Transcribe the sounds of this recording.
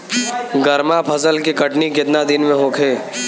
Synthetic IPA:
ɡəɾmapʰɐzəlkikəʈnikɪt̪nad̪ɪnmẽɦoːkʰeː

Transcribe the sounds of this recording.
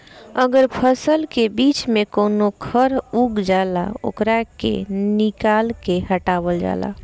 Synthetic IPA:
əɡəɾpʰəsəlkebit͡ʃmekonokʰəɾuɡd͡ʒala̰o̰kɾakḛnikalkeɦəʈabəld͡ʒa̰la̰

